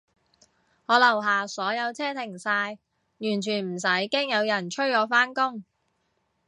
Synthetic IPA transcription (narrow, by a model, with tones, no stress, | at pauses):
ŋɔː˨˧lɐ˨˩wɦaː˨sɔː˨˥jɐ˨˧wt͡sʰɛː˥t̪ʰɪ˨˩ŋsaː˧j | jyː˨˩nt͡ʃʰyː˨˩nm̩˨˩s̬ɐ˨˥jkɪ˥ŋjɐ˨˧wjɐ˨˩nt͡ʃʰɵ˥ɔː˨˧faː˥nkʊ˥ŋ